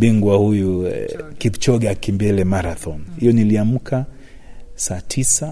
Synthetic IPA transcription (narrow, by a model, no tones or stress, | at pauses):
biŋɡwahujukipt͡ʃɔɡɛakimbɛlɛmaɾaθɔnhijɔniliam̩kʰa | saːtʰisa